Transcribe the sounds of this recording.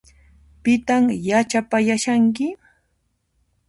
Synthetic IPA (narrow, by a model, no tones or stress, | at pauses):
pɪt̪amjat͡ʃapajaʃaŋk̬ɪ